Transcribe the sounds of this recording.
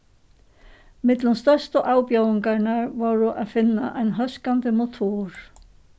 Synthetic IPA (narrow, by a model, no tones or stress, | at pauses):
mɪt̪lanst̪œr̥st̪aʔaːwpjaːwɪŋkaɾnaɾvɔɾʏʔaðfɪnːa̰ʔajnɦœskant̪ɪmot̪ʰuɾ̥